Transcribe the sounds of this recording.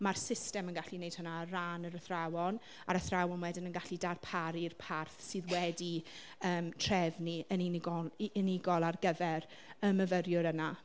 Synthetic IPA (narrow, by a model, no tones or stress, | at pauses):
marsɪstɛmənɡaɬinejd̥hənaraːnəɾəθrawɔn | aɾəθrawɔnwɛdɪnənɡaɬidarpʰaɾirpʰarθsɨːðwɛdi | əːmtʰr̥ɛvniəninɪɡɔlɪnɪɡɔlˠarɡəvɛr | əməvərjʊɾəna